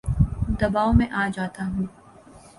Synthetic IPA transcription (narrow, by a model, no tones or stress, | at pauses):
d̪ɐbaːomẽʔaːd͡ʒaːt̪aɦũː